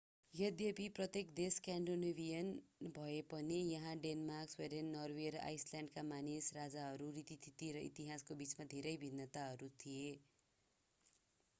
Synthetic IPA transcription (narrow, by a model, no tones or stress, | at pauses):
jʌd̪jʌbiprʌt̪ekd̪eskaɳɖonebʱijʌnbʱʌepʌnijʌɦãɖenmarksweɖʌnːʌrweɾʌʔa̰jsljaɳɖkamanisrad͡zaɦʌɾurit̪it̪ʰit̪iɾʌḭt̪iɦaskobit͡smad̪ʱeɾʌjbʱinːʌt̪aɦʌɾut̪ʰije